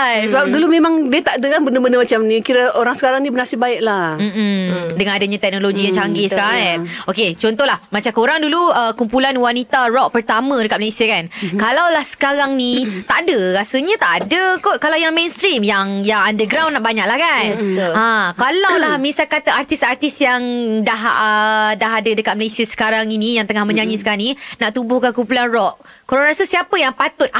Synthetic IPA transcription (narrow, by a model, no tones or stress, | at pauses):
ajsəbap̚dulumẽmaŋdiət̪aʔdəkanbəndəbəndəmat͡ʃamnikiɾəoɾaŋsəkaɾaŋnibənasibaɪʔlam̩mm̩dəŋanadaɲãt̪ɛk̚noloɡijãŋt͡ʃaŋɡɪskaoket͡ʃɔnt̪ɔlahmat͡ʃamkoɾaŋduluəkumpulanwanit̪arɔʔ̚pərt̪amə̃dəkat̪ʔ̚mlesəkankalawlahsə̥kaɾaŋnit̪aʔdəɾasəɲə̃t̪aʔadəkoʔkalawjaŋmẽnst̪ɾimjaŋjaŋandəɡɾawnːaʔbaɲak̚lahkanãkalawlahmisakat̪aart̪isart̪isjaŋdaɦədaɦadədəkat̪̚məlasiasə̥kaɾaŋinĩjaŋt̪əŋahmə̃ɲãɲĩsə̥kaɾaŋninaʔt̪ubʊhkankumpulanrɔʔ | koɾaŋɾasəsiapəjaŋpat̪ʊt̪̚